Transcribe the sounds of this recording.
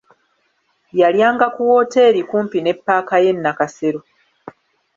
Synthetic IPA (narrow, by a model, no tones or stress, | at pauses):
jaljaːŋɡakuwo̞ːte̞ːɾikuːmpine̞pːaːkaje̞nːakaseɾo